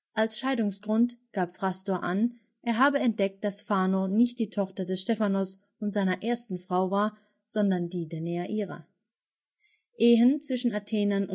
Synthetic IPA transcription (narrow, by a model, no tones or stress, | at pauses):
ʔalsʃaɪdʊŋsɡ̥ʁʊntɡ̥aːpfʁ̥astoːɐʔan | ʔeːɐɦaːbəɛnt̚d̥ɛk̚t̚d̥asfaːnonɪçt̚d̥iːtʰɔχtɐdɛsʃtɛfanɔs | ʊntz̥aɪnɐʔeːɐstn̩fʁ̥aʊvaːɐ | z̥ɔndɐndiːdeːɐnɛːaʔiːʁɐ̰ | ʔeːɦənt͡sv̥ɪʃn̩atʰɛːnɐnʊ